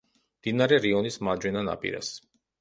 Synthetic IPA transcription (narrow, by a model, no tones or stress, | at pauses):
md̪̥inaɾɛɾiɔnismad͡ʒwɛnana̰pʼḭɾa̰s